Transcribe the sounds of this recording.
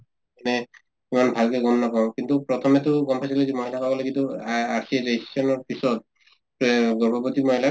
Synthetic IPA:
ɛnɛ | imanbʱalkɛɡɔnːɔkɔw̃kintupɹɔt̪ʰɔmɛtʊɡɔmpʰajs̬ilɛzimɔjtʰakabɔlaɡituasiɾesɔnɔɹpisɔt̚ | ɡɔɹbɔbɔtimɔjla

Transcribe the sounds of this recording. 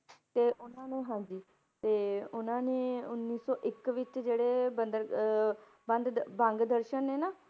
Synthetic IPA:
t̪eːʔʊnãːnũːɦãːɲd͡ʒiː | t̪eːʊnãːnẽːʊnːiːsɔːʔɪkʋɪt͡ʃd͡ʒeːɽeːbənd̪əɾ | bə̃nd̪bə̃ŋɡd̪əɾʃənːeːnaː

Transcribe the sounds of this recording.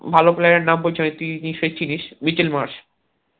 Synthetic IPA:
bʱalopleeɾnambot͡ɕʰonet̪iniʃet͡ɕʰiniʃmit͡ɕilmaɾʃ

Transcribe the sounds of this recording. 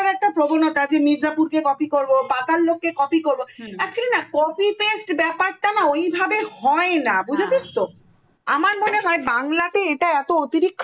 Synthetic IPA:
aɾɛk̚ʈapɾobonot̪ad͡ʑemiɾd͡ʑapuɾkekɔpikoɾbobat̪alːokːekɔpikoɾboɛkt͡ɕʰilenakɔpipesʈbɛpaɾʈanaojbʱabehɔenabud͡ʑʱet͡ɕist̪o | amaɾmoneɦɔebaŋlat̪eeʈaɛt̪oot̪iɾikʰː

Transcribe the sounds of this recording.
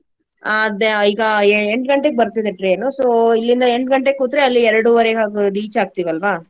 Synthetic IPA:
ad̪eiːɡɐeɳɖɡɐɳʈek̚bɐɾt̪id̪eʈɾeːnusoːilːind̪ɐeɳɖɡɐɳʈekuːt̪ɾeɐlːiɛɾɐɽuʋɐɾeɡɐɾiːt͡ʃaːɡ̚t̪iʋɐlʋaː

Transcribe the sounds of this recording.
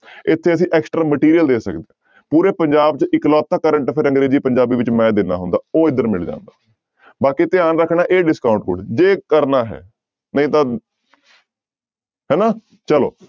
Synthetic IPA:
ɪt̪ʰːeːəsĩːʔɛːksʈɾaːməʈiːɾijəld̪eːsə̰kd̪ẽː | puːɾeːpəɲd͡ʒaːb̚t͡ʃɪklɔːt̪ːaːkəɾəɳʈpʰɪɾə̃ŋɡɾeːd͡ʒiːpəɲd͡ʒaːbiːʋɪt͡ʃmɛ̃ːd̪eːna̰ːɦʊnd̪aːoːɪd̪əɾmɪld͡ʒã̰ːnd̪aː | baːkiːt̪ɪaːnɾəkʰːnaːʔeːɖɪskaːʊɳʈkʊ̰ɽd͡ʒeːkəɾnaːɦɛ̰ː | nəĩːt̪ãː | ɦɛːnaː | t͡ʃəlo̰ː

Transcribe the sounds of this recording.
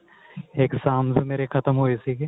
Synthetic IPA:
eːksaːmzmeːɾekʰət̪əmɦoːesiːɡe

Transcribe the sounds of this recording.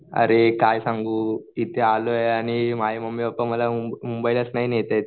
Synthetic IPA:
ɐ̰ɾekaːjɐsɐŋɡuit̪eaːloɐnimaːjimɐmːibɐpːɐmɐlɐmumbɐjlɐsnɐjineːt̪ɐt̪

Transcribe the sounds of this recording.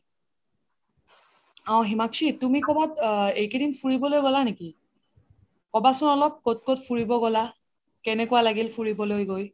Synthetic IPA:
aw̃ɦimaksitumikɔbatejkedinpʰuɹibɔlojɡɔlaneki | kɔbasɔnɔlɔp̚kot̚kotpʰuɹibɔɡɔla | kɛnɛkuwalaɡilpʰuɹibɔlojɡoj

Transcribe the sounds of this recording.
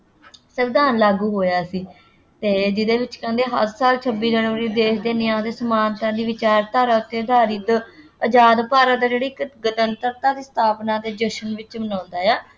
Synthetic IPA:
səbd̪aːnlaːɡuːɦoːjaːsiː | t̪eːd͡ʒɪd̪eːʋɪt͡ʃkə̃ːnd̪eːɦə̰ɾsaːlt͡ʃʰəbːiːd͡ʒənʋəɾiːd̪eːsd̪eːnɪjãːd̪eːsəmaːnt̪ãːd̪iːʋɪt͡ʃaːɾt̪aːɾaːt̪eːd̪aːɾiːt̪ | əd͡ʒaːd̪paːɾãːd̪aːd͡ʒeːɽiːɡət̪ənt̪əɾt̪ãːd̪iːsə̥t̪ʰaːpnãːd̪eːd͡ʒəʃənʋɪt͡ʃbənãːnd̪aːjaː

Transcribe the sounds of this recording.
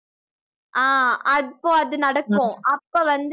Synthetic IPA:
ʔaːɐpːõːɐðɯnɐɽɐkːõʔɐpːoːʋɐnd̪

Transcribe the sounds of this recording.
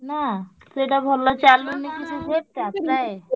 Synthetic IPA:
na | seʈabʱɔlːat͡ɕalːunekit͡ɕʰuseɾ̚t̪eapɾae

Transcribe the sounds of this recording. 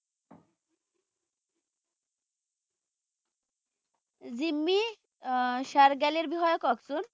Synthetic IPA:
zimːi | ʃaɾɡɛleɾbiɦɔjokɔksun

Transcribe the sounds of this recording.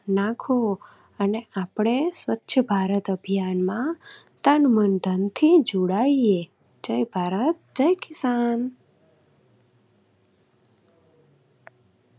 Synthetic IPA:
nãkʰo | əneapɽ̃eswətːʃʰəbʱaɾət̪əbʱijanmã | t̪anmənd̪ʱənt̪ʰid͡ʒuɽaie | d͡ʒəjbʱaɾət̪̚d͡ʒəjkɪsan

